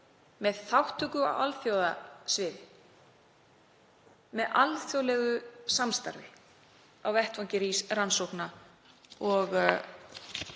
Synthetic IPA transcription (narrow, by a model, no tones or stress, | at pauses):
mɛðθawht̪ʏkʏa̰wa̰lθjowðasvɪːðɪ | mɛðʔalθjowlɛːɣʏsamst̪a̰ɾvɪ | awvɛht̪vɔɲcɪɾisransowhkna | ɔɣ